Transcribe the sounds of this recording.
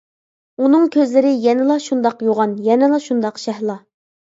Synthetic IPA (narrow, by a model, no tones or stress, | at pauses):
unɨŋkʲʰøzlɪɾɪjɛnɪlˠɑʃund̪ɑqjoʁɑnjɛnɪlˠɑʃund̪ɑqʃɛhlˠɑ